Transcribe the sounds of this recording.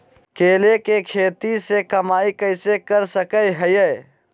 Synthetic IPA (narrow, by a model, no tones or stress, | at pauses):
keːlekekʰeːt̪isekəmaːikəɪsekəɾsəkəjɦəjɛ